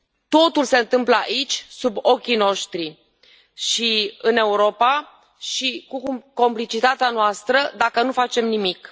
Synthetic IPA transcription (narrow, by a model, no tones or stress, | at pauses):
t̪o̞t̪ulse̞ɨnt̪ɨmpləa̰ʔit͡ʃʲsubo̞kʲino̞ʃt̪ɾi | ʃiɨne̞uɾo̞pa | ʃikuko̞mplit͡ʃit̪at̪eanoast̪ɾəd̪akənufat͡ʃe̞mnimik